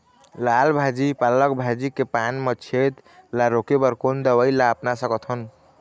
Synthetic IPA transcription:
lalbʱad͡ʒipalːəkbʱad͡ʒikepanmət͡ʃʰet̪ | laɾokebəɾkond̪əwəjlaəpnasəkɔt̪ʰən

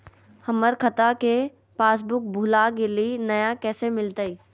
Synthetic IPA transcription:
həməɾkʰət̪ake | paːs̬bʊk̚bʱulakelinɐjakɛːsemɪlt̪əi

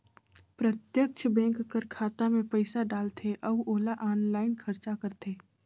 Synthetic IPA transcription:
pɾət̪jək̚t͡ʃʰbɛ̃ːŋkkəɾkʰaːt̪amẽpəɪsaɖaːlt̪ʰeʔɐuoːlaʔɔːnlaːɪnkʰɐɾt͡ʃakəɾt̪ʰeː

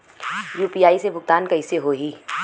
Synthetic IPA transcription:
juːpiaːisebʱʊɡ̚t̪aːnkɐɪseɦoːɦiː

